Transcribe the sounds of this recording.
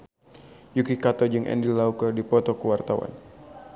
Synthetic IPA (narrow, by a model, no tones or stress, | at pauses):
jukikat̪ɔd͡ʒɨŋʔɛ̰ndilaukərdipɔt̪ɔkuwart̪awa̰n